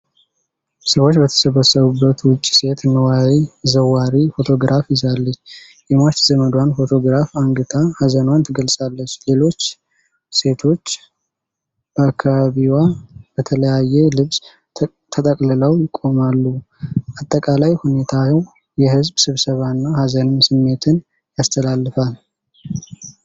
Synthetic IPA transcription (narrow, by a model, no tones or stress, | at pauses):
səwo̞t͡ʃːbət̪ʰə̥səβəsːəβubːət̪wʊt͡ʃʼːi̥se̞t̪ɨnəwawizəwaɾifo̞t̪ʰo̞ɡɾafjɪzalːət͡ʃː | jɛmat͡ʃːzəməd̪wanfo̞t̪ʰo̞ɡɾafaŋɡɨt̪ʰahəzənwant̪ʰɨɡəlsʼalːət͡ʃːle̞lo̞t͡ʃː | se̞t̪ʰo̞t͡ʃː | b̥əakʰːaβaβiwab̥ət̪ʰələjajːɛlɨβs | t̪ʰət̪ʼəkʼlələwjɪkʼːo̞malːu | at̪ʼːəkʼalajhune̞t̪ʰajɛw | jɛhɨzbsɨβsəβaɨnːahazənɨnsɨmːe̞t̪ʰɨn | jast̪ʰəlalːɨfal